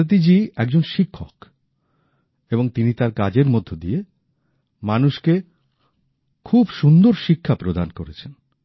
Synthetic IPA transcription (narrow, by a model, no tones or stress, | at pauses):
t̪̬id͡ʑiɛk̚d͡ʑonʃikʰːok | eboŋt̪init̪aɾkad͡ʑeɾmod̪ʱːod̪ie | manuʃke | kʰubʃund̪oɾʃikʰːapɾod̪ankoɾet͡ɕʰen